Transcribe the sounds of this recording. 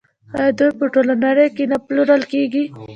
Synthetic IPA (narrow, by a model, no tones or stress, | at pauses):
ad̪ujpəʈolanaɾekenapluɾəlkeɡi